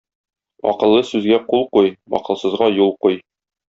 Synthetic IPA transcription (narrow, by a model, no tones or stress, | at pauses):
ɒ̰qɤ̆lˠːɤsʉzɡæqulˠqujɒ̰qɤ̆lˠsɤ̆zʁɑjulˠquj